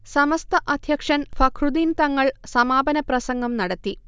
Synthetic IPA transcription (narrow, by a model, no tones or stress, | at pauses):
sɐmɐst̪ɐʔɐd̪ʱjɐkʂɐnfʰɐkʰrud̪iːnt̪ɐŋːɐɭsɐmaːbɐnɐprɐsɐŋɡɐmnɐɽɐt̪ːi